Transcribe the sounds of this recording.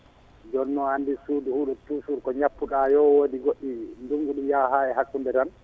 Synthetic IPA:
d͡ʒɔnːɔandisuːduhuɗɔtusuɾkɔɲapːuɗajɔwodiɡoɗinduŋɡuɗumjaɦaɛɦakːundɛdan

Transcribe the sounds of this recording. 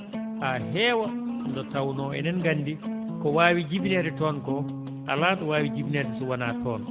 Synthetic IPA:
ʔaɦɛːwandɔtawnɔɛ̰nɛnɡanːdikɔwaːwid͡ʒibnɛɾɛtɔːnkɔ | ʔa̰laːɗɔwaːwid͡ʒibinɛdɛsuwanaːtʰɔːn

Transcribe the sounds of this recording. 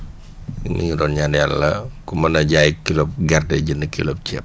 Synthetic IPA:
nḭŋidɔːnɲanjalːɐkumɐnɐɟaːjkilɔp̚ɡɛrdɛɟinəkilɔp̚cɛ̰p̚

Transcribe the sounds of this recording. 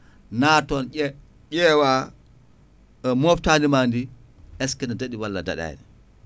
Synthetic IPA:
natɔnɛ | ɟɛwa | mɔftandimandi | ʔɛskɛnadaɗiwalːa̰da̰ɗa̰j̰ni

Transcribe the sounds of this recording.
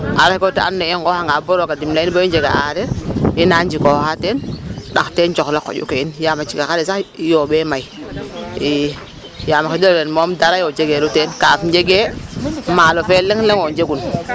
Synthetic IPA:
aɾakotaa̰nːeiŋɡohaŋɡaboɾokadimliboind͡ʒeɡa̰a̰aɾeinand͡ʒikohatenɗaktent͡ʃoklako̰d͡ʒṵkeinjamat͡ʃikakaɾesakjoɓemai | i | jamakidellenmomdaɾajod͡ʒeɡeɾutenkafd͡ʒeɡemalofeleŋleŋod͡ʒeɡun

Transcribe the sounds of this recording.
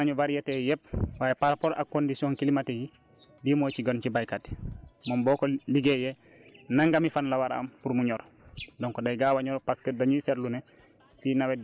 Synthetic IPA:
aɲuvaɾijatejɛp̚waːjepaɾpoɾa̰kːondisiɔ̃ːŋkilimateji | dimoːt͡ʃiɡɔnt͡ʃibajkatmɔmbɔːkoliɡejɛ | naŋɡamifanlawaɾa̰mpuɾmuɲɔːɾ | dɔŋkɔdajɡawaɲɔɾpaskədaɲusɛɾlune | tinawɛ

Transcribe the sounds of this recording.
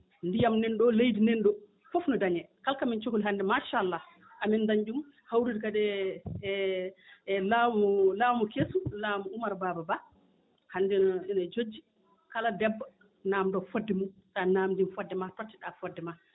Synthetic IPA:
ndijamnɛnɗɔlejdinɛnɗɔ | fɔfnɔdaɲɛkalkamint͡ʃokoliɦandɛmaʃalːa | ʔamindaɲd͡ʒum | hawɾidikadɛ | laɔlawmɔkesulamɔumaɾbababa | handɛinad͡ʒod͡ʒːi | kaladɛbːa | namdɔfodːɛmuntanaːmdimfɔdːɛmatatːiɗafɔdːɛma

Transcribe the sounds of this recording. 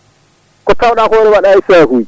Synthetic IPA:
kɔtawɗaːhoːɾɛwaɗaisɛːɦuj

